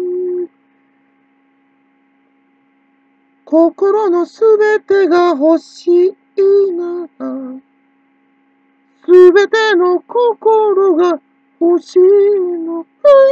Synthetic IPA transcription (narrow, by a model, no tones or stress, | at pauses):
ko̞ko̞ɾo̞no̞sɨbe̞t̪e̞ɡaɦo̞ɕi | iːnaka | sɨbe̞t̪e̞no̞kokoɾo̞ɡa | hoɕinoka